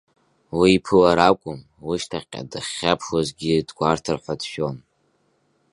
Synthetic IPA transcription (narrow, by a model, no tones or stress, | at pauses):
wiːpʰɨlaɾakʷʼʊm | wiʃtʰaχʲqʲʼa̰dɨχʲːapʰʃwazɡʲidɡʷartʰɨrħʷadʃᶣon